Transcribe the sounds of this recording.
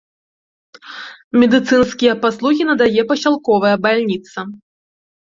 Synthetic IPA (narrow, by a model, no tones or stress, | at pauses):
mʲɛd̪ɨt̪sɨnskʲijɐpaslˠuɣʲinɐd̪ajɛpɐsʲalˠkɔvɐjɐbalʲnʲit̪sɐ